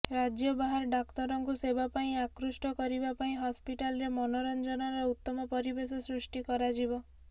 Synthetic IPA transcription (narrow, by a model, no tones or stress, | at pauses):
ɾad͡ʒjɔbaɦaɾɖakt̪ɔɾɔŋkusebapaĩakɾusʈɔkɔɾibapaĩɦɔspiʈalɾemɔnoɾɔnd͡ʒɔnɔɾɔut̪ːɔmɔpɔɾibesɔsɾusʈikɔɾad͡ʒibɔ